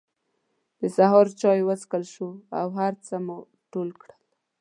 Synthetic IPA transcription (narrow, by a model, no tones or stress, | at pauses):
d̪̥əsaɦɑɾt͡ʃɑjwəskəlʃua̰wɦaɾt͡səmu | ʈolkɽəl